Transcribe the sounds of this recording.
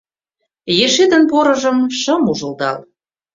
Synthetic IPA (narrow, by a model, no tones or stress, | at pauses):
jeʃed̪ə̆npoɾɤ̆ʒə̆mʃə̆muʒə̆ld̪ɑ̰l